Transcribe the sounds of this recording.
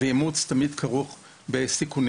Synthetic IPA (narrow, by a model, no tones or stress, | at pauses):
ejemut͡st̪amid̪kʰaʁuχ | besikun